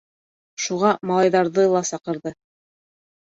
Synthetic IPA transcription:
ʃuʁɑmɑlˠɑjðɑɾðɤlˠɑsɑqɤ̆ɾðɤ

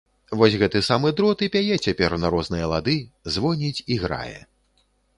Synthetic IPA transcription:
vɔsʲɣɛt̪ɨsamɨd̪ɾɔt̪ɨpʲajɛt͡sʲapʲɛrnɐɾɔznɨjɐlˠad̪ɨzvɔnʲit͡sʲiɣɾa̰jɛ̰

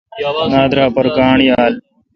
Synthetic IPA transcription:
naːd̪ɾaːpɔɾkaːɳijaːl

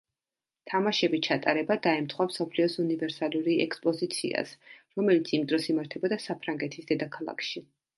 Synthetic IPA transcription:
t̪ʰamaʃɛbit͡ʃʰat̪ʼaɾɛbad̪aɛmt̪ʰχwamsɔpʰliɔsunivɛɾsaluɾiɛ̰kspʼɔzit̪sʰḭa̰sɾɔmɛlit̪sʰimd̪ɾɔsimaɾt̪ʰɛbɔd̪asapʰɾaŋɡɛt̪ʰisd̪ɛd̪akʰalˠa̰kʰʃi

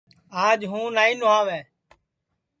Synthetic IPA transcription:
aːd͡ʒɦũːnaːĩːnʊãːʋɛː

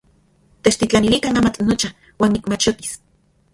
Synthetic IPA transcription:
t̪et͡ʃt̪it͡ɬanilikanaːmat͡ɬnot͡ʃa | waːnikmat͡ʃot̪i̥s

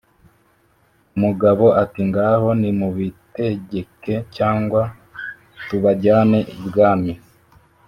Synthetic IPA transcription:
umuɡaβo̞atiŋɡaɦo̞nimuβite̞ɟe̞ke̞caːŋɡwa | tuβaɟaːne̞ʔibɡaːmi

